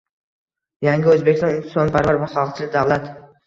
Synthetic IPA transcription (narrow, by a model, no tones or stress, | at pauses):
jaŋɡʲɪɵzbekʲɪst̪ɒnɪnɪ̥sɒnpʰaɾvaɾvaχɑlˠqt͡ʃʰɪlɪk̚ʲd̪avlˠat̪